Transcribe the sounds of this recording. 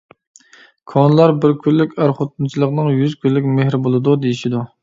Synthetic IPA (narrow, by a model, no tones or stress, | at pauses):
kʰɑnɨlˠɑɾbɪɾkʲʰylːykʲæɾχot̪̚ʰunt͡ʃʰilˠəqnɨŋjyzkʲʰylːykʲmeɦɾɪbolˠɨd̪ud̪ejiʃid̪u